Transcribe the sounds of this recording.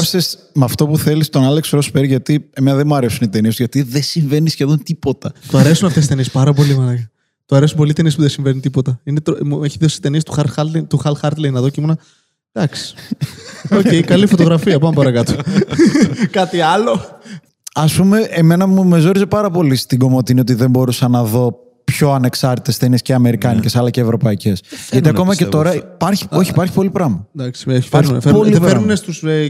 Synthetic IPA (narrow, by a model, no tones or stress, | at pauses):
fi̥ses | mɐft̪o̞puθe̞list̪onɐleksɾospeɾʝɐt̪ie̞me̞nɐðemuɐɾe̞sunit̪e̞niesuʝɐt̪iðesiɱve̞nisçe̞ðo̞nt̪ipo̞t̪ɐt̪oɐɾe̞sunɐft̪esist̪e̞nispɐɾɐp̬o̞limɐlɐʝɐ | t̪oɐɾe̞sumpo̞lit̪e̞niespuðesiɱvenit̪ipo̞t̪ɐinet̪omueçiðosi̥t̪e̞nist̪u̥xɐɾxɐlet̪uxɐlxɐɾt̪lenɐðoceimonɐ | d̪̥ɐksi̥ | oejkɐlifo̞t̪o̞ɣɾɐfiɐpɐmepɐɾɐkɐt̪o | kɐt̪iɐlo̞ | ɐspume̞ʔemenɐmume̞zo̞ɾize̞pɐɾɐpo̞list̪iɡo̞mo̞t̪inio̞t̪̬iðe̞mbo̞ɾusɐnɐðo̞ | pço̞ɐne̞ksɐɾt̪it̪est̪eniesceɐme̞ɾikɐnicesɐlɐceːvɾo̞pɐice̞sʝɐt̪iɐko̞mɐce̞t̪o̞ɾɐipɐɾçi̥o̞çipɐɾçi̥po̞lipɾɐmɐd̪ɐksiɐɾifpolipeɾnunest̪us